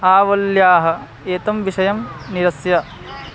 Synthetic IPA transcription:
aːʋɐljaːɦɐ̆ | eːt̪ɐmʋiʂɐjɐmniɾɐsjɐ

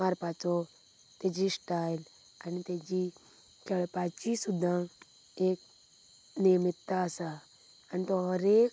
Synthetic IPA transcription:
aɾpat͡so | t̪ed͡ʒisʈaːil | anit̪ed͡ʒi | kaɭpat͡ʃisud̪ʱã | eːk̚ | nimit̪ːasa | anit̪oɦəɾeːk̚

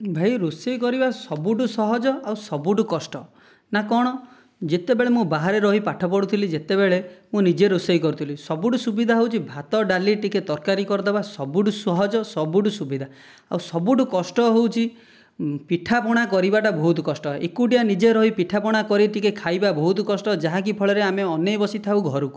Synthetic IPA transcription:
bʱajɾusejkɔɾibasɔbuʈusɔɦɔd͡ʒɔawsɔbuʈukɔsʈɔ | nakɔɽ̃ɔ | d͡ʒet̪ebeɭemũbaɦaɾeɾɔɦipaʈʰɔpɔɽut̪ʰilid͡ʒet̪ebeɭemũnid͡ʒeɾusejkɔɾut̪ʰilisɔbuʈusubid̪ʱaɦewt͡ʃʰibʱat̪ɔɖaliʈiket̪ɔɾkaɾikɔɾɔd̪ebasɔbuɖusɔɦɔd͡ʒɔsɔbuʈusubid̪ʱa | a̰wsɔbuʈukɔsʈɔɦewt͡ʃʰi | piʈʰapɔɽ̃akɔɾibaʈabɔɦut̪kɔsʈɔɦeʔekuʈijanid͡ʒeɾɔɦipiʈʰapɔɽ̃akɔɾiʈikekʰajbabɔɦut̪kɔsʈɔd͡ʒaɦãk̬ipʰɔɭeɾeameɔnebɔsit̪ʰawɡʱɔɾuku̥

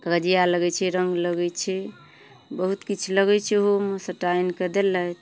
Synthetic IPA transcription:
kɾəd͡ʒijaləɡɛt͡ʃʰiɾəŋɡləɡɛt͡ʃʰi | bəɦut̪kit͡ʃʰləɡɛt͡ʃʰiɦomosəʈainked̪elːət̪

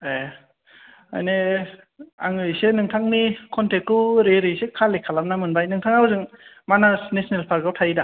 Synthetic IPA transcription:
e | a̰jne | a̰ŋɯjsenɯŋtʰaŋnikʰɔntʰek̚uɾeɾɯjsekʰalekʰːalamnamɯnbajnɯŋtʰaŋawɯzɯŋ | manasnesnelpʰaɾɡawtʰajida

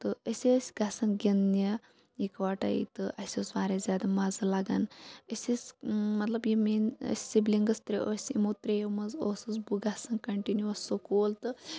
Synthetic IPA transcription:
t̪ɨəsʲesʲɡɐsɐnɡʲinːʲɐ | ikʋaːʈɐ̰ḭt̪ɨʔɐsʲosʋaːɾezʲaːd̪ɐmɐzɨlɐɡɐnəsʲismɐt̪lɐbjimiːnə̰sʲsibliŋɡɐst̪ɾḛʔoːsʲḭmoːt̪ɾejemɐzoːsɨzbuɡɐsɐnkɐɳʈinjuɐsokoːlt̪ɨ

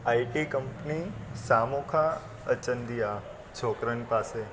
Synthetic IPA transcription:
aiʈikəmpnisamokʰa | ət͡ʃənd̪ija | t͡ʃʰokɾənpase

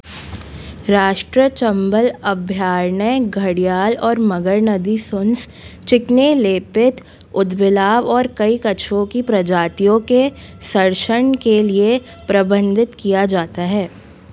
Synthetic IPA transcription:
ɾaːʃʈɾət͡ʃɐ̃mbəlɐbʱjaːɾɳəjɡʱɐɽijaːlɔːɾmɐɡəɾnəd̪isʊns | t͡ʃɪkneleːpɪt̪ | ʊd̪bɪlaːʋɔːɾkɐikɐt͡ʃʰõkipɾɐd͡ʒaːt̪ijõke | sɐɾʃəɳkelie | pɾɐbə̃nd̪ʱɪt̪kijad͡ʒaːt̪aɦɛː

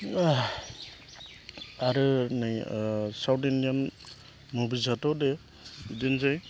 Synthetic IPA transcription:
aɾɯnajsawtindijan | mubizatɔde | idenzaj

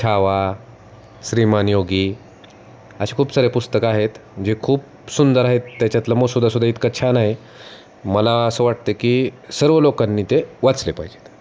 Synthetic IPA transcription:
t͡ɕʰaʋa | ɕɾimanjoɡiː | əɕekʰuːpsəɾepust̪əkaɦet̪d͡ʑekʰuːp̚ | sund̪əɾaɦet̪ːjat͡ɕjat̪lamosud̪ːasud̪ʱːait̪kat͡ɕʰanaɦe | məlaəsəːʋaʈ̚t̪ekiːsəɾʋəlokanːiːt̪eʋat͡slepaɦid͡ʑe̥t̪

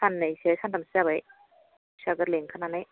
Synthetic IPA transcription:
sanːajsiajsandamsizaβaj | saɡɯɾleŋkʰananaj

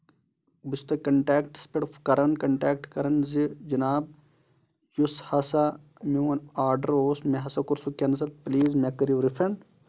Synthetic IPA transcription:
bist̪ɐkɐɳʈɛːkʈspeʈfkɐɾɐnkɐɳʈeːk̚ʈkɐɾɐnzid͡ʒɐnaːb̚ | jushɐsa | miwɐnaːɾɖɐɾoːsmeɦɐsɐkuɾsukʲens̬ɐlpliːzmekɐɾjiʋɾifɾɐ̃ɳɖ

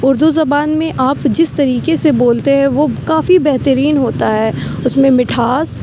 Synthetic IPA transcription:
ʊɾd̪uzɐbaːnmẽʔaːpd͡ʒɪst̪ɐɾiːkeseboːlt̪eɦɛ̃ʋokaːfibɛɦt̪əɾiːnɦoːt̪aɦɛːʊsmẽmɪʈʰaːs

